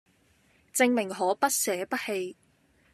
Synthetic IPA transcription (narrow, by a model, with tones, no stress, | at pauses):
t͡sɪ˧ŋmɪ˨˩ŋɦɔː˨˥pɐ˥t̚sɛː˨˥pɐ˥t̚he˧j